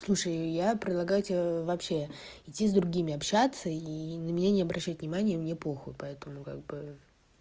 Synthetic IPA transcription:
slˠuʂəjjapɾʲɪd̪lˠɐɡajʊtʲɪbʲvɐpɕe̞ | ɪtʲːizd̪ɾʊɡʲimʲɪɐpɕat̪səinəmʲɪnʲanʲɪɐbɾʔɐɕːæt̪̚ʲnʲɪmanʲɪjəmnʲeplˠoxʊ̰pɐɛt̪əmʊka̰ɡ̚bɨ

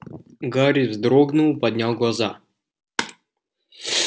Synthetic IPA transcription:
ɡaɾʲizd̪ɾɔɡnʊlˠpɐd̪ʲnʲalˠɡlˠɐza̰

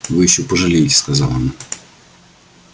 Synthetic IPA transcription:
vɨjɪɕːopəʐɨlʲejɪtʲɪ̥skɐzɑlˠon

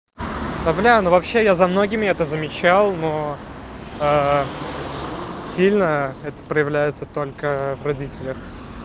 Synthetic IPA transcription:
d̪ablʲanovɐpɕːejazɐmno̞ɡʲɪmʲɪɛt̪əzəmʲɪt͡ɕalˠno | a | sʲilʲnəɛt̪ə̥pɾəjɪvlʲæjɪt̪sət̪o̞lʲkəvrɐdʲitʲɪlʲəx

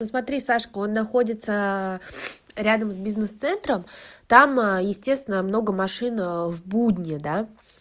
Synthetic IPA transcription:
osmɐt̪ɾʲisaʂkəo̞nːɐxo̞dʲɪt̪sə | ɾʲad̪əmsʲbʲiznɨst̪sɛnt̪ɾəmt̪amjɪsʲtʲest̪vʲɪnəmno̞ɡəmɐʂɨnvbud̪ʲnʲɪd̪a

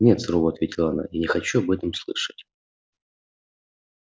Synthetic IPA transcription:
nʲet̪sɾovoɐt̪vʲetʲɪlˠɐɐna̰janʲɪxɐt͡ɕuɐbɛt̪əmslˠɨ̰ʂə̥tʲ

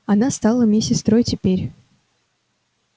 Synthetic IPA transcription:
ɐnast̪alˠəmʲesʲɪst̪ɾojtʲɪpʲeɾʲ

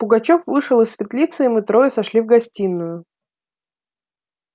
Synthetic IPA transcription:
pʊɡɐt͡ɕofvɨʂɨlˠɨsfʲɪt̪lʲit̪sɨɪmɨt̪ɾo̞jɪsɐʂlʲivɡɐsʲtʲinːʊjʊ

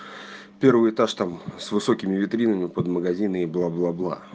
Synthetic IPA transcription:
pʲervɨjt̪aʂt̪amsvɨso̞kʲɪmʲɪvʲɪt̪ɾʲinəmʲɪpəd̪məɡɐzʲinəiblˠablˠablˠa̰

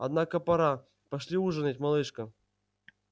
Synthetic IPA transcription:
ɐ̰d̪nakəpɐɾa | pɐʂlʲiuʐɨnətʲmɐlˠɨʂkə

